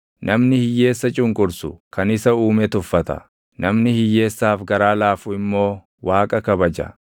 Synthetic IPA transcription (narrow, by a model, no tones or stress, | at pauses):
nʔɐmnɪhɪjːe̞ːsːɐt͡ʃʼʊŋkʼʊɾsʊkʰɐnɪsɐuːmɛt̪ʊfːɐt̪ɐ̰ | nɐmnɪhɪjːe̞ːsːaːfɡɐɾaːlaːfʊɪmːo̞ː | waːkʼɐkɐbɐd͡ʒɐ̰